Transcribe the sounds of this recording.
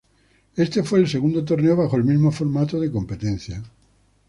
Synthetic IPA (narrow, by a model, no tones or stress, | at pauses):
e̞st̪e̞fwe̞ːlse̞ɣund̪ot̪o̞ɾne̞oβaxoelmizmofo̞ɾmat̪oð̞eko̞mpe̞t̪ẽ̞n̟θja